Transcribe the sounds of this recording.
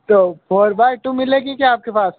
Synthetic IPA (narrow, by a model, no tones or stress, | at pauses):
t̪oːpʰɔːɾbaːɪʈumɪleɡikjaaːp̚kepaːs